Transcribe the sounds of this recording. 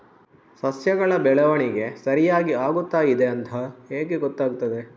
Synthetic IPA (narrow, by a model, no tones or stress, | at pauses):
sɐsjɐɡɐɭɐbɛɭɐʋɐɳiɡe̞sɐɾijaːɡiaːɡut̪ːaːid̪e̞ɐnt̪ʰɐheːɡe̞ɡɔt̪ːaːɡut̪ːɐd̪e̞